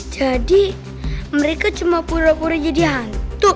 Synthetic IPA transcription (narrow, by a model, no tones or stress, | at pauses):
d͡ʒadi | məɾekat͡ʃumapuɾapuɾad͡ʒadiɦant̪u